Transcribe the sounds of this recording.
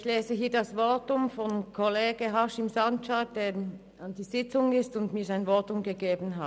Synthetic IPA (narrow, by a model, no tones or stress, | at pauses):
ɪçleːzəɦiːɐdɑsvɔtʊmfɔnkʰɔleːɡ̥əɦɑʃɪmzɑntat̚d̥eː | and̥iːz̥ɪt͡sʊŋɪstʊndmiːɐzaɪnvɔɐtʊmɡəɡeːbn̩ɦat